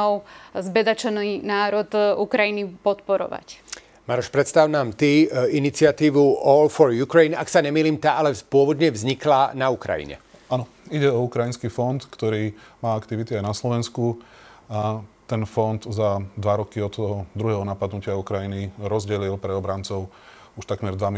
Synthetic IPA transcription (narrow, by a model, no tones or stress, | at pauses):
ɔʊzbɛd̪at͡ʃɔnnaːɾɔt̪ukɾajinipɔt̪pɔɾɔ̰ʋa̰c | maɾɔʃpɾɛt̪st̪aʊnaːmt̪iinit͡sɪat̪iːʋuʔɔlfɔɾjukɾɛjnaksaɲɛmiːliːmt̪aʔalɛpʊɔʋɔd̪ɲɛvzɲiklanaukɾa̰jḭɲɛ̰ | anɔ | iɟɛɔukɾajinskiːfɔnt̪kt̪ɔɾiːmaːakt̪iʋit̪iajnaslɔʋɛnskuat̪ɛnfɔnd̪zad̪ʋaɾɔkiɔt̪ːɔɦɔd̪ɾuɦɛːɦɔnapad̪nucɪaukɾajiniɾɔzɟɛlilpɾɛɔbɾant͡sɔʊ | uʃt̪akmɛɾd̪ʋam